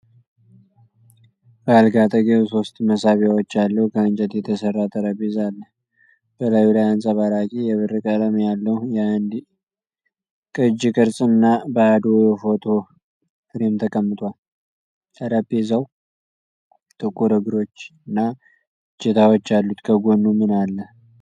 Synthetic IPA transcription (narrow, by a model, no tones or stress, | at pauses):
b̥əalɡat̪ʼəɡeso̞st̪ʼməsaβjawot͡ʃːalːəhukʰəɨnt͡ʃʼət̪jɛt̪ʰəsərːat̪ʰʼəɾəbezalːəh | b̥əlajulajansʼaβalakʼijɛβɨrɨkʼələmjalːəhujand̪ | kʼɨd͡ʒikʼɨɾsʼɨnːabəad̪wjofo̞t̪ʰo̞ | fɨɾimt̪ʰəkʼəmːɨt̪ʼwal | t̪ʰəɾabezaw | t̪ʼɨkʼːuɾəɡɨɾo̞t͡ʃːɨnːa | t͡ʃːet̪ʰawot͡ʃːalːut̪kʰəɡonːumɨnalːə